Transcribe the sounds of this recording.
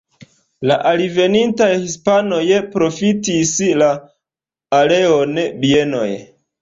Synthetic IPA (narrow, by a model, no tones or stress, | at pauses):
laʔalive̞nintajhispano̞jepɾo̞fitislaː | le̞onbie̞no̞̰j